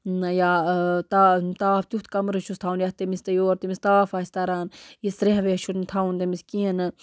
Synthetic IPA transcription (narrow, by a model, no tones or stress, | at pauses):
jaːt̪at̪aːft̪ut̪ʰkɐmɾɨt͡ʃʰust̪ʰaunjaht̪emist̪ɐjoːɾt̪imist̪aːfaːsʲt̪ɐɾaːnjisɾeɦʋeʃʰunt̪ʰaunt̪emiskiːɐnɨ